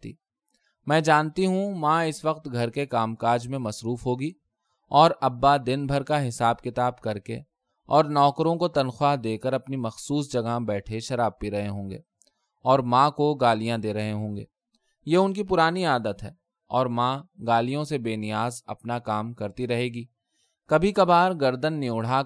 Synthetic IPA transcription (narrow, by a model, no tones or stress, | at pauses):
t̪ḭː | mɛ̃ːd͡ʒaːnt̪iɦũmãːɪsʋɐqt̪ɡʱɐɾkekaːmkaːɾd͡ʒmẽmɐsɾuːfɦoːɡi | ɔːɾɐbːad̪ɪnbʱɐɾkaɦɪsaːbkɪt̪aːbkɐɾkḛ | ɔːɾnɔːkɾõkot̪ɐnxwaːɦd̪eːkəɾɐpnimɐxsuːsd͡ʒɐɡabɛːʈʰeʃɐɾaːb̚piɾɐɦeɦõːŋɡḛː | ɔːɾmãːkoɡaːlijãd̪eːɾɐɦeɦõːŋɡḛː | jeːʊnkip̬ʊɾaːniaːd̪ət̪ɦɛː | ɔːɾmãːɡaːlijõsebeːnɪjaːzɐ̰pnakaːmkɐɾt̪iɾɐɦeːɡiː | kɐbʱikɐbaːɾɡɐɾd̪ənːɪʊɽ̤a